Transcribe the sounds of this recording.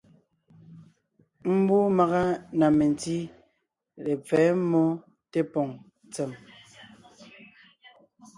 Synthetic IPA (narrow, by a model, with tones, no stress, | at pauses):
m̩˦bu˦ma˨ɣa˦na˨me˨nti˦ | le˨p͡fɛ˨˦mɔ˦ | te˦pɔ˨ŋ | t͡sɛ˨m